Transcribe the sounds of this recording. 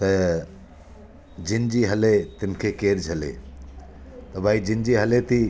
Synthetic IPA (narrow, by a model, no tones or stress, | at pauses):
t̪ɐ | d͡ʒɪnd͡ʒiɦɐlet̪ɪmkʰekeːɾd͡ʒʱɐlḛ | t̪ɐbʱaːid͡ʒɪnd͡ʒiɦɐlet̪i